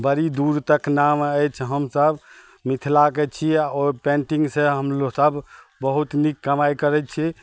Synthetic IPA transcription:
bəɾid̪uɾt̪əknaməjt͡ʃʰɦəmsəb | mit̪ʰlaket͡ʃʰiopẽɳʈiŋɡsẽɦəmlosəbʱ | bəɦut̪nikːəmajkəɾɛt͡ʃʰi

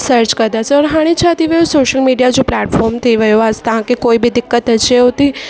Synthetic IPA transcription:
səɾt͡ʃkəɾd̪asʰɔɽɦaɽ̃it͡ʃʰat̪iʋəjosoʃəlmiɖijad͡ʒõplɛʈfɔɾmt̪ʰəiʋəjoast̪ãkekoibid̪ɪkːət̪ɦət͡ʃʰeõt̪i

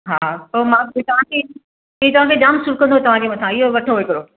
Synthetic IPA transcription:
ɦaːsoːmãːt̪ɐʋ̤ãkʰe | ɦẽt̪ɐʋ̤ãːkʰeɗaːmsʊɾkɐ̃nd̪oɦeːt̪ɐʋ̤ãkʰeːmãsʰãɪɦoʋɐʈʰoɦoekɐɾoː

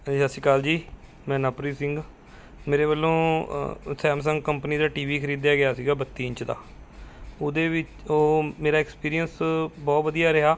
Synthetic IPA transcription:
jasɪkaːld͡ʒiː | mɛ̃ːnaːpɾiːsɪ̃ŋɡ | meːɾeːbəlːõː | sɛːms̬əŋɡkəmpniːd̪aːʈiːʋiːkʰəɾiːd̪jaːɡɪjaːsiːɡaːbət̪ːiːɲt͡ʃd̪a̰ː | oːd̪eːʋɪt͡ʃoːmeːɾaːɪkspiːɾijənsbɔːt̪ʋəd̪ijaːɾɪɦaː

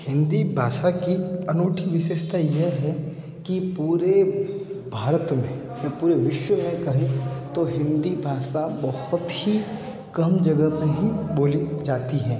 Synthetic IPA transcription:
hɪ̃nd̪ibʱaːʃakiɐnuːʈʰiʋɪʃeːʃt̪ʰajeɦɛ | kipuːɾe | bʱaːɾət̪mẽ | japuːɾeʋɪʃwəmẽkɐɦẽt̪oɦɪ̃nd̪ibʱaːʃabɐhʊt̪hi | kɐmd͡ʒɐɡəmẽɦiboːlid͡ʒaːt̪iɦɛ̃ː

